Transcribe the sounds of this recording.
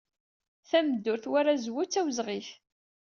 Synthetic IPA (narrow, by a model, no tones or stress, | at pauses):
θæmd̪ːʊɾθwaɾazwʊt͡sːæwəzʁif